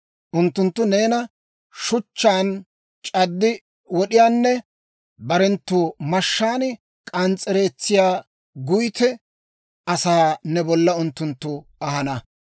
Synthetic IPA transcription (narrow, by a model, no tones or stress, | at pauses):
ʔʊnt̪ːʊnt̪ːʊne̞ːnɐ | ʃʊt͡ʃːaːn | t͡ʃʼɐd̪ːɪ | wɔɗɪjaːnːɛ | bɐɾɛnt̪ːuːmɐʃːaːnɪ | kʼɐnt͡sʼːɛɾe̞ːt͡sːɪjaː | ɡʊjt̪ɛ | ɐsaːnɛbɔlːɐʊnt̪ːʊnt̪ːʊɐhɐnɐ